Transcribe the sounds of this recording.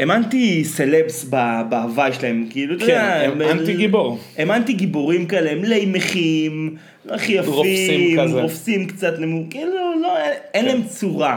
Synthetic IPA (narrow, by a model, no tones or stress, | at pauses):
emant̪iselebsbabaavajʃelaemkiilut̪od̪eaemant̪iɡiboʁ | emant̪iɡiboʁimkaeleemlejmeχim | loaχijaffiʁofsimkt͡sat̪nemukiːlulo̞eenlaemt͡suʁa